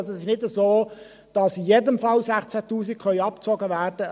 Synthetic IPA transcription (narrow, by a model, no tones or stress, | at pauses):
sɛsɪʃnɪdəzoː | d̥ɑsɪjedəmfɑlsæχt͡sætuːsikχœʏɑp̚t͡sɔɡəʋæːrd̥ə